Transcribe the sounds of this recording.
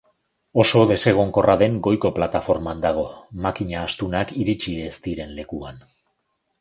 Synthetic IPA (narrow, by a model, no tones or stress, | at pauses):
o̞so̞ðe̞se̞ɣ̞o̞ŋko̞rʔaðe̞ŋɡo̞jko̞plat̪afo̞ɾmand̪aɣ̞o̞makiɲaːst̪unakiɾit͡ʃiest̪iɾe̞nle̞kuan